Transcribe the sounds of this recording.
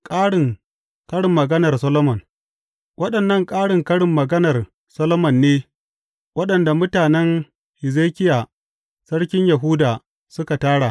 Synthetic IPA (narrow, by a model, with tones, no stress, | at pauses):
kʼaː˦ɽɪ˨ŋ | kɐ˦ɽɪ˨mːɐ˨ɡɐ˦nɐ˨rsɐ˦lo˦mɔ˨n | wɐ˦ɗɐ˨nːɐ˦˨ŋkʼaː˦ɽɪ˨ŋkɐ˦ɽɪ˨mːɐ˨ɡɐ˦nɐ˨r | sɐ˦lo˦mɐ˨nːeː˦ | wɐ˦ɗɐ˨nda˨mʊ˦taː˨nɛ˦ŋ | hɪ˨zeː˦kʲɪ˦jaː˨ | sɐ˦ɽkʲɪ˦ɲjɐ˨ɦʊ˦daː˨ | sʊ˦ka˨taː˦ɽa˨